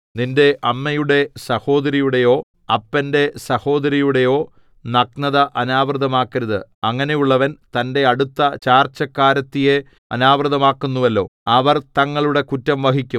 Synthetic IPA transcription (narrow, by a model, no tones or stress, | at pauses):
ninde̞ʔɐmːɐjuɽe̞sɐho̞ːd̪ɐɾijuɽe̞jo̞ː | ɐpːɐnde̞sɐho̞ːd̪ɐɾijuɽe̞jo̞ː | nɐknɐðɐʔɐnaːbrɨðɐmaːkːɐɾɐðɨɐŋːɐne̞juɭːɐʋɐnt̪ɐnde̞ɐɽut̪ːɐt͡ɕaːrt͡ɕːɐkːaːɾɐt̪ːije̞ | ɐnaːbrɨðɐmaːkːunːuʋɐlːo̞ːɐʋɐrt̪ɐŋːɐɭuɽe̞kutːɐmʋɐɦikʲːum